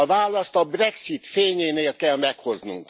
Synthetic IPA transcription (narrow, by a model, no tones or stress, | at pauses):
ɒvaːlːɒst̪ɒbrɛksit̪feːɲeːneːlkɛlmɛkho̞znṵŋk